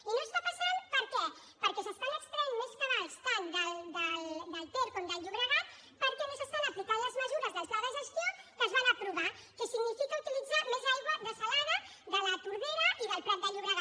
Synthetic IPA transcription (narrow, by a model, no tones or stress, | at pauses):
inost̪apasanpəɾk̪ɔ | pəɾkɛsəspaɲəkst̪ɾɛɲmeskəβaspand̪əld̪əd̪əlˠt̪oɾponb̪aɲʎuβɾəɣat̪ | pəɾkɛmesəst̪anaplikaðləzməzuɾəzðəzlaðəzəst̪ikəzβanəpɾuβa | kəsiɡnifikəut̪ilid͡zamezalˠɣəðəsalaðə | ðələt̪uɾβeɾɐʔiðəlˠpɾamd̪aʎuβɾəɣa